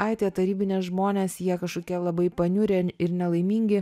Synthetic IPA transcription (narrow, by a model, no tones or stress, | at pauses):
ɐɪt̪ʲeːt̪ɐɾʲiːbʲɪnʲeːsʒmoːnʲeːsjiɛkɐʃkoːkʲɛlˠɐbɐɪpɐnʲʊɾʲeɪɾnʲɛlˠɐɪmʲiːŋʲɡʲɪ